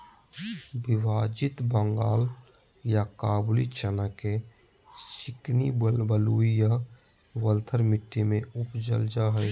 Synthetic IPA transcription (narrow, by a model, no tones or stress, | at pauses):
bɪʋaːd͡ʒɪt̪bəŋɡaːl | jakaːblit͡ʃənake | t͡ʃɪknibəluija | wəlt̪ʰəɾmɪʈːimẽʊpd͡ʒə̰ld͡ʒaɦəj